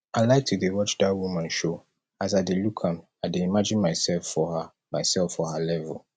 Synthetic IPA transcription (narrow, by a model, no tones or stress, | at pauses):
aɪlaɪk̚tʰudewɔt͡ʃdat̚wumãnʃo | as̬aɪdelukʰãmaɪdeimad͡ʒɪ̃nmaɪsɛlfɔha | maɪsɛlfːɔhalɛvə̰l